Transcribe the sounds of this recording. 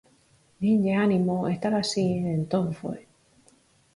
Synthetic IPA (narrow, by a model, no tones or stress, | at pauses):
niɲɟeanimoest̪aɾasienent̪oɱfe